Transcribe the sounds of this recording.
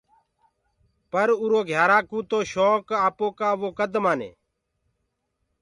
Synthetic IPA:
pəɾuːɾoːɡʱjaːɾaːkũːt̪oːʃoːkaːpoːkaːʋoːkəd̪maːnḛː

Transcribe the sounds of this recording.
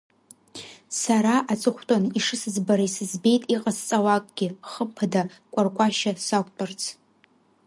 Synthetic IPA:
saɾaʔat͡sʼɨχʷtʼoniʂɨsɨzbaɾaisɨzbe̞jtʼiqʼast͡sʼawakʼɡ̥ʲɪχəmpʰada | kʷʼarkʷʼaʃasakʷʼtʼart͡sʰ

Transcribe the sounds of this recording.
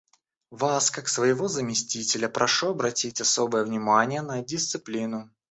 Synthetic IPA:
vaskaksvəjɪvo̞zəmʲɪsʲtʲitʲɪlʲəpɾʔɐʂuɐbɾɐtʲitʲɐsobəjəvnʲɪmanʲɪjənədʲɪst̪sɨplʲinʊ

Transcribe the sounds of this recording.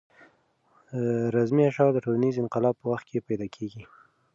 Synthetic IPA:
ɾazmiaʃɑd̪əʈolanizɪnqɪlɑb̚pəwaxt̪̚kʰepajd̪ɑkʰeɡi

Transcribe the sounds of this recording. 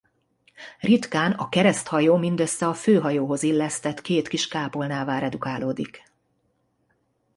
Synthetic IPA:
rit̪kaːnɒkɛɾɛst̪hɒjoːmind̪øsːɛɒføːɦɒjoːɦo̞zilːɛst̪ɛt̪keːt̪kiʃkaːpolnaːvaːɾɛd̪ukaːloːd̪ik

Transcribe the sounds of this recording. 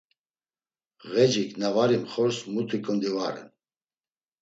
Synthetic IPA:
ɣɛd͡ʒikʼnavaɾimχɔɾsmut̪ʰikʼənd̪ivaɾɛ̰n

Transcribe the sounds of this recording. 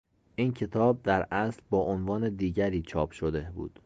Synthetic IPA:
ʔiːncʰe̞t̪ʰɒːb̚d̪æɾʔæslbɒːʔonvɒːne̞d̪iːɟæɾiːt͡ʃʰɒːpʰʃod̪ebṵːd̪̥

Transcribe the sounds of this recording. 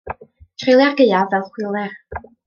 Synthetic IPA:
tʰrejlˠjarɡejavɛlˠχwɪlˠɛr

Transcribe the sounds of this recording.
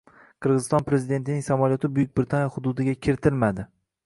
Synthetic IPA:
qʰɨɾʁɨzɪst̪ɒnpɾe̞zɪd̪e̞nt̪ɪnɪŋsamaljɒt̪ʰɪbʊjʊk̚ʲbɾɪt̪ʰanjɒhʊd̪ʊd̪ɪɡʲakʲʰɪɾɪt̪ʰɪlmad̪ɪ

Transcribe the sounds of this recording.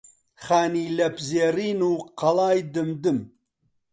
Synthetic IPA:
χaːniːlɐpzeːriːnuːqɐlaːjd̪ɨmd̪ɨm

